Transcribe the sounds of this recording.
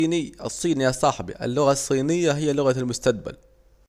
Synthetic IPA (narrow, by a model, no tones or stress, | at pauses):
nɪɨsˤːiːnjasˤɑħbḭʔɪ̰lːʊɣasˤːiːnɪjːaɦɪjːalʊɣalmʊst̪aq̚ba̰l